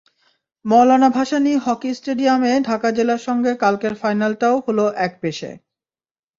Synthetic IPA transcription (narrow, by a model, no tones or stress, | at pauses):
mɔlanabʱaʃaniɦɔkisʈeɖiameɖʱakad͡ʑelaɾʃɔŋɡekalkeɾfajnalʈaoholoʔɛk̚beʃḛ